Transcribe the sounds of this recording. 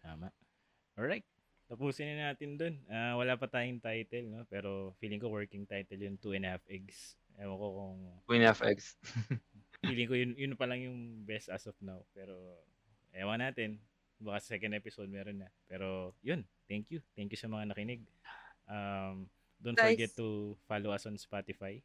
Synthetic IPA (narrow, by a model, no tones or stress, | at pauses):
t̪aːmɐʔ | ʔoɹajt̪̚ | t̪ɐpuːsɪnɐnaːt̪ɪnd̪o̞nʔawɐlaːpɐt̪aːjʊŋt̪ajt̪ɛlnopɛːɾo̞fiːlɪŋkowɛɹkɪŋt̪ajt̪ɛljʊnt̪uɛnhafʔɛɡs | ʔɛːwɐkokʊŋɛnafɛ̰ɡs | fiːlɪŋkojʊnjʊnpɐlɐŋjʊŋbɛst̪ʔɐ̰sɔfnawpɛːɾo̞ | ʔɛːwɐŋnaːt̪ɪn | bɐkasɐ̥sɛːkɛnd̪ɛpɪsowd̪̚mɛːɾonːɐpɛːɾo̞jont̪ɛŋkjut̪ɛŋkjʊsɐmɐŋanɐkɪnɛɡ̚ʔam | d̪ʊnɡɛt̪ːufaloʔɐsɔnspat̪ɪfaj